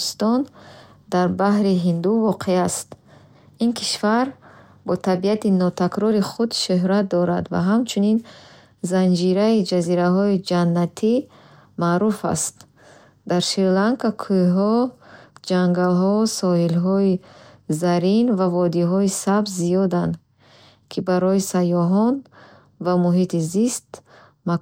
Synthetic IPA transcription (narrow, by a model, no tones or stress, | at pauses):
st̪ɔn | d̪aɾbahɾiɦind̪uvɔqʰeast̪ | inkʰi̥ʃvaɾ | bɔt̪ʰabiat̪inɔt̪ʰakɾɔɾiχud̪ʃɵɦɾat̪̚d̪ɔɾa̰d̪va̰ɦamt͡ʃʰunin | zand͡ʒiɾaid͡ʒaziɾaɦɔid͡ʒanːat̪ʰi | maːɾufa̰st̪ | d̪aɾʃiɾlaŋkakʰujɦɔ | d͡ʒaŋɡalɦɔsɔhilɦɔizaɾinvavɔd̪iɦɔisabzzijɔd̪and̪ | kʰibaɾɔisajɔɦɔn | vamuɦit̪ʰizist̪ | ma